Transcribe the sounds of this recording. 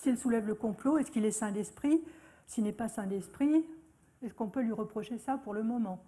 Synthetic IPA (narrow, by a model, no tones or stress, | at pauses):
silsulɛvləkɔ̃ploɛskilɛsɛ̃d̪ɛspχi | silnɛpasɛ̃d̪ɛspχi | ɛskɔ̃pølɥiʁəpχɔʃesapuʁləmɔmɑ̃